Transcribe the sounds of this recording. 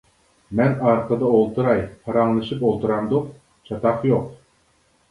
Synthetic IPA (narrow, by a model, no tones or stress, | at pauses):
mɛnɑɾqəd̪ɑolˠt̪ʰuɾɑjpʰɑɾɑŋlˠɨʃɨpolˠt̪uɾɑmd̪ʊq | t͡ʃʰɑt̪ɑqjoq̚